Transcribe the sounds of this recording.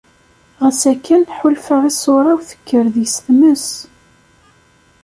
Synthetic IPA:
ʁəsækːænħʊlfaʁisoɾˤɑwθə̥kːəɾðjəsθməs

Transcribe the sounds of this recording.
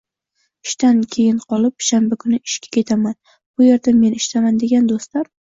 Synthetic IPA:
ɪʃt̪ankʲʰe̞jɪɴqʰɒlɪpʃambakʰʊnɪɪʃkʲḁkʲʰe̞t̪ʰaman | b̥ʊje̞ɾd̪ame̞nɪʃt̪ʰamand̪e̞ɡʲand̪ost̪laɾ

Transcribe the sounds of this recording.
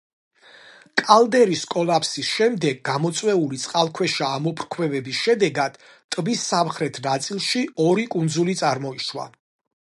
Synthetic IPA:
kʼalˠd̪ɛɾiskʼɔlˠapʰsisʃɛmd̪ɛɡːamɔt̪sʼwɛulit̪sʼqʼalˠkʰwɛʃaːmɔpʰɾkʰwɛvɛbisʃɛd̪ɛɡad̪̥ | t̪ʼbisːamχɾɛt̪ʰnat̪sʼilˠʃiɔɾikʼund̪zulit̪sʼaɾmɔiʃwa̰

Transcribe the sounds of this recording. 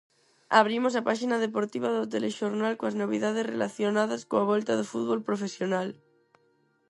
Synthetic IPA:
aβ̞ɾimos̬apaʃinað̞epoɾt̪iβaðot̪eleʃoɾnalkoaznoβ̞iðað̞esrḛlaθjonað̞askoaβ̞olt̪aðofuðβolpɾofesjonal

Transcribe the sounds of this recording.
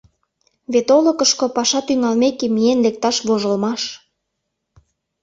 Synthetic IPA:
βet̪oləkəʃkopɑʃɑt̪yŋɑlmekemijenlek̚t̪ɑʃβoʒə̆lmɑʃ

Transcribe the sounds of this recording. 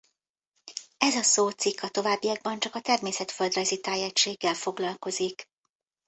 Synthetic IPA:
ɛzɒsoːt̪sikʰːɒt̪o̞vaːbːijɒɡ̚bɒnt͡ʃɒkɒt̪ɛrmeːsɛt̪fø̞ld̪rɛzit̪aːjɛct͡ʃeːɡːɛlfo̞ɡlɒlko̞zik

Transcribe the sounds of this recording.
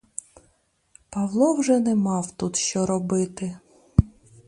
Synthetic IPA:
pɐwlˠɔwʒɛnɛmɑwt̪ut̪ʃt͡ʃɔɾɔbɪt̪ɪ

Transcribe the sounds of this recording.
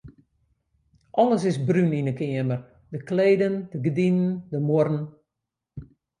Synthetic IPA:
ʔɔləsɪsbryninəkɪəmər | dəkleːdəndəɡədinəndəmoɾn̩

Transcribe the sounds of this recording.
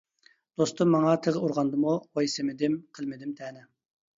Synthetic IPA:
d̪̥ost̪ɨmːɑŋɑt̪ʰəʁəuɾʁɑnd̪ɨmuʁojsɪmɪd̪ɪmqʰəlˠmɪd̪ɪmt̪ʰɛːnɪ

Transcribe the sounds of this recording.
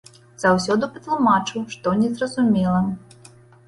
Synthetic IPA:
z̥awsʲɔd̪upɐt̪lˠumat͡ʂɨwʂt̪ɔnʲɛzrɐzumʲɛlˠɐ

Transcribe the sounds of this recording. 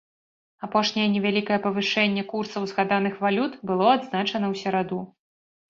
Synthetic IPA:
apɔʂnʲɛjɛnʲɛvʲalʲikɐjɛpɐvɨʂɛnʲːɛkursɐwzɣad̪anɨxvalʲut̪bɨlˠɔad̪znat͡ʂɐnɐwsʲɛɾad̪u

